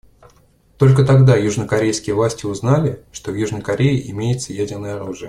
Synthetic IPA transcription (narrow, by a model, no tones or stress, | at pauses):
t̪o̞lʲk̬ət̪ɐɡd̪ajuʐnəkɐɾʲejskʲɪjəvlˠasʲtʲɪʊznalʲɪʂt̪ovjuʐnəjkɐɾʲejɪʔɪmʲejɪt̪səjædʲɪrnəjəɐɾuʐɨjə